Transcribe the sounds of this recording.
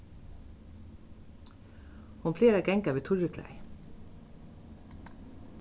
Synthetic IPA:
hʊnfleːɾɛkɛŋkɑʋeːt̪ʰʊɹəkʰlæ̰ɪ

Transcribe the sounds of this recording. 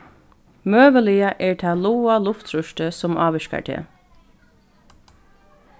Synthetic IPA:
møːʋəlɪəʔɛːɹt̪ʰæːluːalʊft̪ɾʉʃtəsɔmʔɑːʋɪʃka̰ʈʰḛː

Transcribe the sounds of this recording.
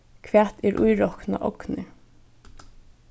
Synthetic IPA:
kʰʋæːt̪ɛɾʔṵjɾɔkna̰ʔɔknɪ

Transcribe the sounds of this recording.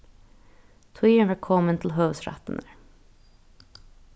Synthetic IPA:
t̪ʰwiːəɳʋækʰɔmənt̪ʰɪl̩ɦœsɾæ̰t̪ən̩ə

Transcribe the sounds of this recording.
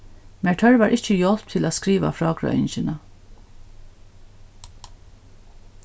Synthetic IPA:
mæʈʰœɹʋɑːɹʔɪc͡çəjɔlp̚t̪ʰɪloːskɾiːʋɑ̰fɾɑːɡɾɑ̰ʏ̰nçənə

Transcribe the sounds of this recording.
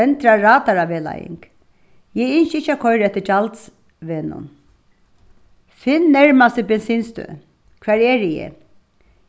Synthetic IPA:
ɛnt̪ɾɑɹɑːd̪ɑɹɑʋeːlɑ̰jɪ̰ŋk | jeɪnçəɪçɑkʰɔʏɾɛt̪ːəʈʰɑlt̪s | ʋɛnʊ̰n | fɪnnæɹmast̪əbɛnsiːnst̪ø̰ː | kʰʋɑɾjeːɾɪjḛ

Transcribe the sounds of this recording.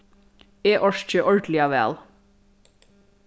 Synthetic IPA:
eːʔɔʃc͡çəʔɔɹɖ̪lɪɑʋæ̰ːl

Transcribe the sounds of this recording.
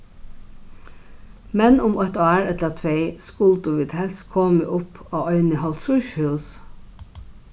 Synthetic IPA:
mɛnʊmœt̪ɑːɹɛt̪lət̪ʰʋeɪskʊld̪uʋiːd̪hɛlskʰɔːmə̰ʔʊpoːœʏnəɦɔlt̪sʊʃhʉːs

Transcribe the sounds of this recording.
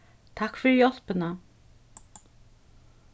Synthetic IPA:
t̪ʰakːfɪɾɪjɔl̥pɪna

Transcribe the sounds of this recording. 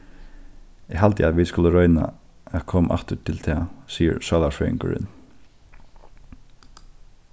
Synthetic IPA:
ɛɦalt̪ɪaðʋɪðskʊləɾœʏna̰ | æðkʰɔːmʔa̰ht̪ʏt̪ʰɪlt̪ʰɛːsiːə̰ɾsaːlafœːɪ̰ŋkʏ̰ɾɪ̰n

